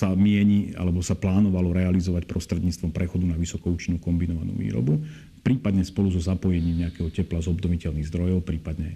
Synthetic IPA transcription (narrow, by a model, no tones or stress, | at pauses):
samɪɛɲia̰lɛbɔsaplaːnɔʋalɔɾɛalizɔʋacpɾɔst̪ɾɛd̪ɲiːt͡st̪ʋɔmpɾʔɛxɔd̪unaʋisɔkɔuːt͡ʃinuːkɔmbinɔʋanṵːʋḭːɾɔ̰bu | pɾiːpad̪ɲɛspɔluzɔzapɔjɛɲiːmɲɛakɛɦɔcɛplazɔbd̪ɔʋicɛʎniɣzd̪ɾɔjɔʊpɾiːpad̪ɲɛ